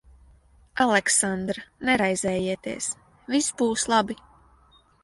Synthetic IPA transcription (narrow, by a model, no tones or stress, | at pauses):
alˠɛksand̪ɾanɛɾajzɛːjiɛt̪ḭɛs | visbuːslˠabi